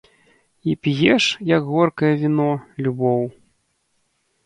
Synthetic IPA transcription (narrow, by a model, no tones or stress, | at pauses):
ipʲjɛʂjɐkɣɔrkɐjɐvʲinɔlʲubɔw